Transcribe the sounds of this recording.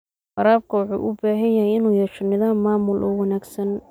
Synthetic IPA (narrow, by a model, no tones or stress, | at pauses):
fɑɾaːb̚kʰɐwɑħṵːʔʊbaːɦɐnjɐɦɛjɪnuːjɛːʃɔnɪðaːmːaːmʊlʔɔ̰wɑnaːɡsɐn